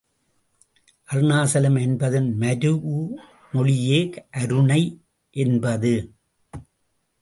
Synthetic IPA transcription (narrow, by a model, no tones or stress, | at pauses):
ʔɐɾnaːsɐlɐmɛnbɐðɐnmɐɾɯuː | mɔɭɪjeːkʔɐɾɯɳɐɪ | ʔɛnbɐðɯ